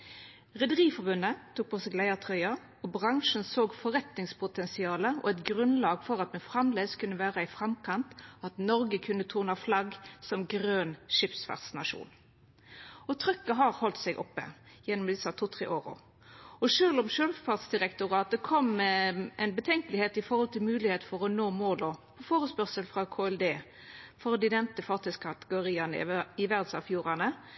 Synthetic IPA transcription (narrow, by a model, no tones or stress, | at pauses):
ʁɛd̪əʁiːfɔbʉnːət̪ʰuːk̚pʰoːsɛɡlæɪət̪ʰʁœʏɑ | ɔbʁɑŋʂənsoːɡfɔʁɛt̪nɪŋspʰʊt̪ʰɛnsɪɑːləʔɔ̰ɛt̪ɡʁʉnlɑːɡfɔʁɑt̪̚mɛfʁɑmleːskʰʉnːəʋæːʁəɪfʁɑmkʰɑnt̪ɑt̪nɔʁɡəkʰʉnːət̪ʰuːʁnɑflɑɡsɔmɡʁøːnʂɪpsfæ̰ʁsnɑʂṵːn | ɔt̪ʰʁʏkːəɦɑʁhɔlt̪sɛɡʔɔpːə̰ | jɛnːɔmd̪ɪsɑt̪ʰuːt̪ʰʁḛːʔoːɾʊ̰ | ɔʂøːlɔmʃøːlfæʁd̪sd̪ɪʁɛkt̪ʊʁɑːt̪̚əkʰɔm | ɛɪnbət̪ʰɛŋkəlɪheːt̪ɪfɔʁhɔlt̪ʰɪlmʉːlɪheːt̪fɔʁɔnoːmoːlɔpʰɔfoːʁəspœʁsəlfʁɑkʰoːɛld̪eː | fɔʁd̪ɪd̪ɛnt̪əfɑʁt̪ʰɪskʰɑt̪əɡʊɾiːɑnɪʋæʁd̪sɑʋfjuːʁɑnə